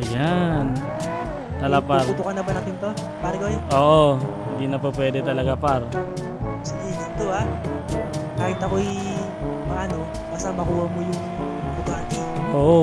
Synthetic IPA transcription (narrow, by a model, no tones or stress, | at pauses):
ʔɐjan | t̪ɐlapaɾut̪ukɐnɐbɐnɐt̪ɪnt̪o | paːɾɐɡɐʔoːʔohɪnd̪inɐpɐpwɛːd̪ɛt̪ɐlɐɡapaɾ | sɐd̪iɡɐnt̪oa | kaːhɪt̪ɐkoj | mɐʔɐno | baːsamɐkuːhɐmojʊŋ | lʊɡaːt̪ɪʔoːʔo